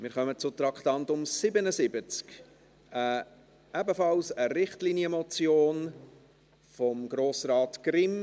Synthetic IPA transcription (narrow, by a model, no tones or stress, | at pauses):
mɪɾχœmət͡sʊt̪ɾɑkʰt̪ɑntʊmsɪbənəsɪbət͡sk | ə | ʔɛbəfɑlsəɾɪχtliniəmɔt͡sjoːn | fɔmɡɾoːsɾɑːtɡ̥ɾɪm